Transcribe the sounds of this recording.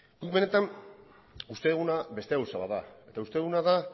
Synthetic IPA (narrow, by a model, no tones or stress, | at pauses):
kukβe̞ne̞t̪an | ust̪e̞eɣunaβe̞st̪e̞awsaβaða̰e̞t̪aust̪e̞eɣunaða